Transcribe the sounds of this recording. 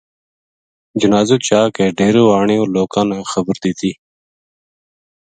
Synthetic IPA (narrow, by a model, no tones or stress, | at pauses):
d͡ʒunɑːzut͡ʃaːkeɖeɾoaːɳeoloːkaːnaxəbəɾd̪it̪i